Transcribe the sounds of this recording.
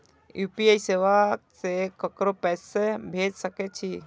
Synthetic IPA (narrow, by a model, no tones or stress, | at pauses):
juːpiaːiseːʋasekəkɾopɛːsebʱeːd͡ʒsəket͡ʃʰi